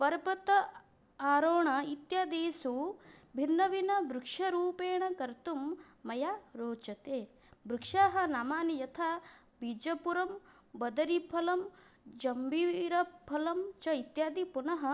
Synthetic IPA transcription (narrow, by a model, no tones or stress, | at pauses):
pɐɾpɐt̪ɐ | aːɾoːɳɐit̪jaːd̪eːsubʱinːɐʋinɐʋɾukʂɐɾuːpeːɳɐkɐɾt̪umː | ɐjaɾoːt͡ʃɐt̪eː | bɾukʂaːɦɐ̆naːmaːnijɐt̪ʰa | bʱid͡ʒɐpuɾɐm | bɐd̪ɐɾipʰɐlɐm | d͡ʒɐmbʱiɾɐpʰɐlɐmt͡ʃɐit̪jaːd̪ipunɐɦɐ